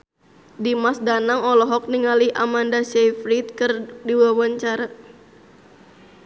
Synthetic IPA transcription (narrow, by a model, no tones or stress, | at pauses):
dimasdanaŋɔlɔɦɔk̚niŋaliʔamandasɛfɾit̪̚kɨrdiwawaɲt͡ʃaɾa